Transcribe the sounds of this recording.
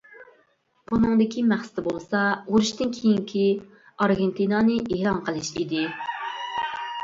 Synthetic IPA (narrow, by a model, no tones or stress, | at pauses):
bunɨŋd̪ɪkʲimæχsɪ̥t̪ɪbolˠsɑuɾuʃt̪ɨnkʲʰijiŋkʲʰi | ɑɾɡʲent̪inɑnɨʔeɾɑnqʰəlˠɨʃḭd̪ɪ